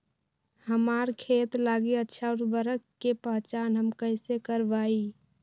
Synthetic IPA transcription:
həmaɾkʰet̪laɡiətːʃʰaʊɾbəɾəkːepəɦt͡ʃaːnɦəmkəɪsekəɾbai

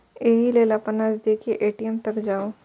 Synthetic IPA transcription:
eːɦileːlapənad͡ʒd̪ekiʔeːʈijemt̪ɐkd͡ʒaːoː

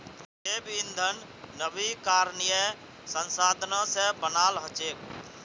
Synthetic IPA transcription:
eːbɪnd̪ʱənː | əbikaːɾnijə | sənsaːd̪ʱnãsebənaːlɦət͡ʃeːk

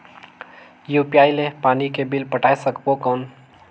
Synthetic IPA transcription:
juːpiaːilepaːnikebɪlpəʈaːesəkbokɔːn

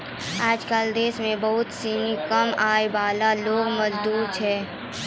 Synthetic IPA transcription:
aːd͡ʒkəld̪eːsmẽbɐɦʊt̪siːnikəmaːebaːlaloːɡmɐzd̪uːɾt͡ʃʰɛː

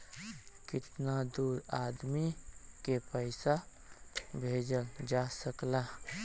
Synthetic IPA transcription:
kɪt̪nad̪uːɾaːd̪mikepəɪsa | bʱeːd͡ʒəld͡ʒasəkla

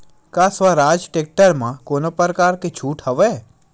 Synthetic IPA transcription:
kasʋaɾad͡ʒʈek̚ʈəɾmãkonopəɾkaːɾket͡ʃʰuːʈhəʋe

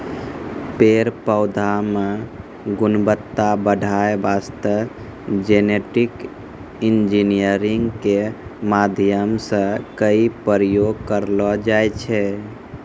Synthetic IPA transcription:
peɾpəʊd̪ʱame | ɡunbət̪ːabəɖʱaebast̪ə | d͡ʒeneʈik | ind͡ʒinijəɾiŋɡkemad̪ʱjəmsə̃kəipəɾjoɡ̚kəɾlɔd͡ʒajt͡ʃʰɛ

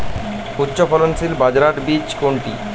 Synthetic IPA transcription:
utːɕofɔlonsilbad͡ʑɾaʈbid͡ʑkoɳʈḭ

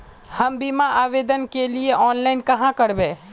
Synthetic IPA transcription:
hɐmbimaʔaːʋeːd̪ənkelieʔɔːnlaːɪnkɐɦãkɐɾbẽː

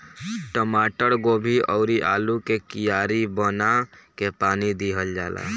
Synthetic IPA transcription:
ʈəmaːʈəɽɡoːbʱiʔɔʊɾiʔaːlukekijaːɾibənakepaːnid̪iɦəld͡ʒaːla̰

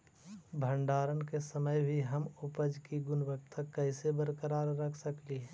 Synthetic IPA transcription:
bʱə̃ɳɖaːɾənkesəməjbʱiɦəmʊpəd͡ʒkiɡʊnbəkt̪ʰəkːɛɪsebəɾkəɾaːɾɾəkʰsəkli

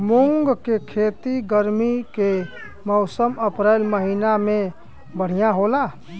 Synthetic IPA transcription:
muŋɡkekʰet̪iɡəɾmike | mɔʊsəməpɾəɪlməɦiname | bəɽ̤ijãɦola

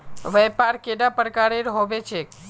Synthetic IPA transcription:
ʋɛpaɾkeɖapəɾkaɾeɾɦoʋet͡ʃʰek

